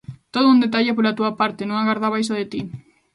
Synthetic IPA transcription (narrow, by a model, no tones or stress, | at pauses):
t̪oðound̪et̪̬aʎap̬olat̪uapaɾt̪enõŋaɣaɾðaβ̞ajsaðet̪i